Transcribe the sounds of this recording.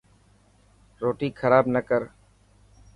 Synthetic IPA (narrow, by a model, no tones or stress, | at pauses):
ɾoːʈiːkʰəɾaːbnəkəɾ